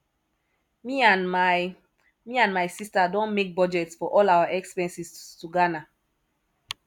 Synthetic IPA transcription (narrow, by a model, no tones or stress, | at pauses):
miãnmaj | miãnmajsistadɔ̃nmek̚bɔd͡ʒɛtsfɔʔɔlawaʔɛkspɛ̃nsistuɡana